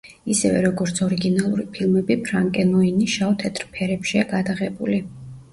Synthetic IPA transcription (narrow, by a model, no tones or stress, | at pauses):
isɛvɛ̰ɾɔɡɔɾt̪sʰɔɾiɡinalˠuɾipʰilˠmɛbipʰɾaŋkʼɛnɔiniʃaɔt̪ʰɛt̪ʰʼɾpʰɛɾɛpʃiaɡad̪aʁɛbuli